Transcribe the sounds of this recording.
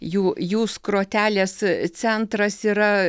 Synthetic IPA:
juːjuːskɾoːt̪ʲæːlʲeːst͡s̪ʲɛnt̪ɾɐsiːɾɐ

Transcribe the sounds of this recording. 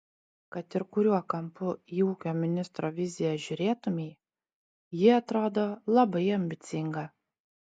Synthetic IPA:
kɐt̪ɪɾkʊɾʲuɔkɐmpʊiːuːkʲoːmʲɪnʲɪst̪ɾoːʋʲɪzʲɪjɛʒʲʊɾʲeːt̪ʊmʲɛɪ | jɪɐt̪ɾoːd̪oːlˠɐbɐɪɐmʲbʲɪt̪sʲɪŋɡɐ

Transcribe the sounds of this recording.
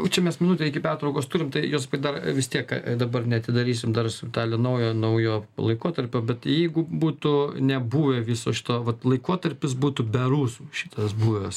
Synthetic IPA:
t͡ʃʲɛmʲɛsmʲɪnuːt̪ʲeɪkʲɪpʲæːrt̪ɾɐʊkoːst̪uːɾʲɪmt̪ɐɪjoːspɐd̪ɐrʋʲɪst̪ʲiɛkd̪ɐbɐrnʲɛɐt̪ʲɪd̪ɐɾʲiːsʲɪmd̪ɐrsʊɪt̪ɑːlʲɛnɐʊjoːnɐʊjoːlˠɐɪkuɔt̪ɐɾʲpʲoːbʲɛt̪jɛɪɡʊbuːt̪ʊnʲɛbuːʋʲeʋʲisoːʃʲɪ̥t̪oːʋɐt̪lˠɐɪkuɔt̪ɐɾʲpʲɪs̬buːt̪ʊbʲɛɾuːsuːʃʲɪt̪ɐsbuːʋʲɛs

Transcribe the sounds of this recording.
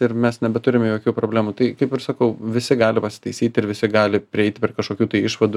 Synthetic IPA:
ɪɾmʲɛsnʲɛbʲɛt̪ʊɾʲɪmʲjoːkʲuːpɾoːbʲlʲæːmuːt̪ɐɪkɐɪpɪɾsɐkɐʊʋʲɪsʲɪɡɑːlʲɪpɐsʲɪ̥t̪ɐɪsʲiːt̪ʲɪɾʋʲɪsʲɪɡɑːlʲɪpʲɾʲɪɛɪt̪ʲɪpʲːkɐʃkoːkʲuːt̪ɐɪɪʃʋɐd̪u

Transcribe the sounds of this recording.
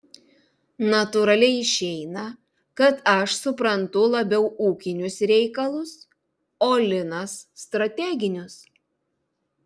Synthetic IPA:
nɐt̪ʊɾɐlʲɛɪɪʃʲɛɪnɐ | kɐt̪ɐʃsʊpɾɐnt̪ʊlˠɐbʲɛʊuːkʲɪnʲʊsɾʲɛɪkɐlˠʊs | oːlʲɪnɐsːt̪ɾɐt̪ʲɛɡʲɪnʲʊs

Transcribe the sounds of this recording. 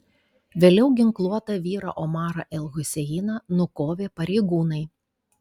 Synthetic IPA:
ʋʲeːlʲɛʊɡʲɪŋklˠuɔt̪ɐʋʲiːɾɐ̰ʔɔmɑːɾɐʔɛlˠɣʊsʲɛjiːnɐnʊkoːʋʲeːpɐɾʲɛɪɡuːnɐɪ

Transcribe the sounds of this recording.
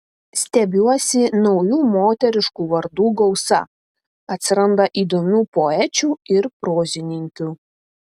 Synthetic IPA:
sʲt̪ʲɛbʲuɔsʲɪnɒʊjuːmoːt̪ʲɛɾʲɪʃkuːʋɐɾd̪uːɡɔʊsɐ̰ | ɐt̪ʲsʲɪɾɐnd̪ɐʔiːd̪oːmʲuːpɔɛt͡ʃʲuːɪɾpɾoːzʲɪnʲɪŋʲkʲuː

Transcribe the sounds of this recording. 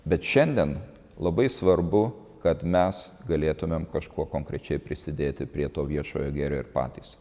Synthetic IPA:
bʲɛt̪ʃʲɛnʲd̪ʲiɛn | lˠɐbɐɪsʋɐɾbʊ | kɐt̪mʲɛsɡɐlʲeːt̪ʊmʲemkɐʃkuɔkoːŋkɾʲɛt͡ʃʲɛɪpʲɾʲɪsʲɪd̪ʲeːt̪ʲɪpʲɾʲiɛt̪oːʋʲiɛʃo̰ːjoːɡʲæːɾʲoːɪɾpɑ̰ːt̪ʲiːs

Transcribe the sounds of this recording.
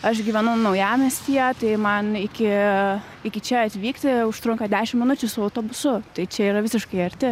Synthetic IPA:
ɐʃɡʲiːʋʲɛnʊnɐʊjæːmʲesʲt̪ʲijɛt̪ɐɪmɐnɪkʲɪ | ɪkʲɪt͡ʃʲɛɐt̪ʲʋʲiːkt̪ʲɪʊʃt̪ɾʊŋkɐd̪ʲæːʃʲɪmʲɪnʊt͡ʃʲʊsʊɐʊt̪oːbʊsʊt̪ɐɪt͡ʃʲɛiːɾɐʋʲɪsʲɪʃkɐɪɐɾʲt̪ʲɪ

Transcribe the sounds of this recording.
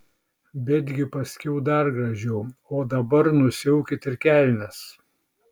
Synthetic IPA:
bʲɛd̪ʲɡʲɪpɐsʲkʲɛʊd̪ɐɾɡɾɐʒʲɛʊoːd̪ɐbɐɾnʊsʲɛʊkʲɪt̪ɪɾkʲæˑlʲnʲɛs

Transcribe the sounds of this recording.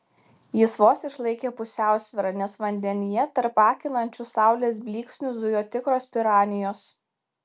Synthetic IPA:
jɪsʋoːsɪʃlˠɐɪkʲeːpʊsʲæˑʊsʲʋʲɪɾɐnʲɛsʋɐnʲd̪ʲɛnʲɪjɛt̪ɐɾpɑːkʲɪlˠɐnʲt͡ʃʲʊsɑˑʊlʲeːsbʲlʲiːksʲnʲʊzʊjoːt̪ʲɪkɾoːspʲɪɾɑːnʲɪjoːs

